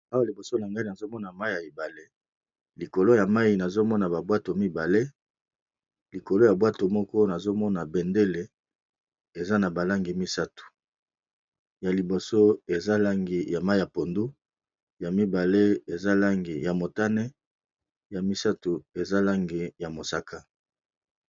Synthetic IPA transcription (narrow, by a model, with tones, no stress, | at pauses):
a˦wa˨li˨bo˨so˦na˨ŋɡa˦li˦na˨zo˦mɔ˦na˨ma˦i˨ja˨i˨ba˨le˦ | li˨ko˨lo˦ja˨ma˦i˨na˨zo˦mɔ˦na˨ba˨bwa˦to˨mi˦ba˨le˦ | li˨ko˨lo˦ja˨bwa˦to˨mɔ˦kɔ˦na˨zo˦mɔ˦na˨bɛ˨nde˦le˨ | e˨za˦na˨ba˨la˦ŋɡi˨mi˦sa˦tu̥˨ | ja˨li˨bo˨so˦e˨za˦la˦ŋɡi˨ja˨ma˦˨ja˨po˨ndu˦ | ja˨mi˦ba˨le˦e˨za˦la˦ŋɡi˨ja˨mo˨ta˦nɛ˦ | ja˨mi˦sa˦tu˨e˨za˦la˦ŋɡi˨ja˨mo˨sa˨ka˦